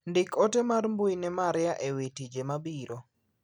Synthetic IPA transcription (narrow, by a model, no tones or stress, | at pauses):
ndɪkotemarmbujnɛmaɾɪjaʔewetid͡ʒemabiɾo